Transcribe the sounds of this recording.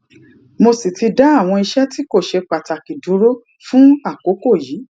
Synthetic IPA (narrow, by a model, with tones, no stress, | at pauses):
mo˧si˨ti˧da˦a˦˨w̃ɔ̃˧i˧ʃɛ˦ti˦ko˦˨ʃe˧k͡pa˨ta˨ki˨dũ˨˦ɾo˦ | fũ˦a˦˨ko˨˦ko˦˨jiː˨˦